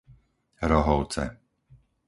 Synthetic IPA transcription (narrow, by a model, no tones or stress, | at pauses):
ɾɔɦɔʊt͡sɛ̰